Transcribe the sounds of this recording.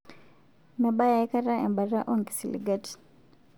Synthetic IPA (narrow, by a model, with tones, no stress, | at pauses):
na˨ba˦ja˨i˦ka˦ɾa˦ʔɛ̰˨mba˨ɾa˦ʔɔ˦ŋki̥˨si˨lḭ˨ɡa˦ti̥